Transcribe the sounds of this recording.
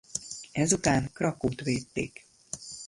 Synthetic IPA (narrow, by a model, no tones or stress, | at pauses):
ɛzut̪aːnkrɒkoːt̪ʋeːt̪ːḛːk